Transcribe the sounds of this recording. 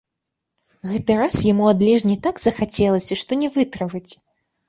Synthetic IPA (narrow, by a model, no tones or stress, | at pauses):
ɣɛt̪ɨɾasjamuad̪lʲɛʐnʲit̪aɡz̥ɐxat͡sʲɛlˠɐsʲɐʂt̪ɔnʲɛvɨt̪ɾɨvɐt͡sʲ